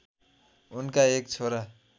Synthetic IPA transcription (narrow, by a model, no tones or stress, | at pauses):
unkaek̚t͡sʰoɾa